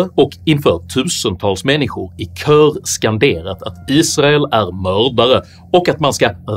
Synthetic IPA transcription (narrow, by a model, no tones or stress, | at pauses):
ɔkɪnfœːɾʈʰʉ̟ːsənt̪ʰɑːlsmɛnːɪɧʊɾɪkʰœːɾskand̪eːɾət̪ʰat̪iːsɾaɛlæɾmœːɾɖaɾə | ɔkːat̪manskaɾ